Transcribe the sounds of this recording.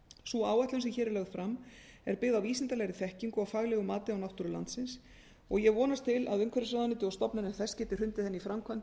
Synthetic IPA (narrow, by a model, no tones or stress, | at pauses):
suaːwaht̪lʏnsɪçɛːɾɪlœɣð̥fɾamːɛɾpɪɣðawiːsɪnt̪alɛɣɾɪθɛhciŋkʏafaɣlɛɣʏmaːt̪ɪawnawht̪uɾʏla̰nt̪sɪns | ɔɣjɛɣvɔːnast̪ʰɪla̰ðʏŋkʰvɛɾɪsvaðanɪt̪ɪɔst̪ɔpnanɪθɛscɛːt̪ɪr̥ʏnt̪ɪθɛnːifɾamkʰvant̪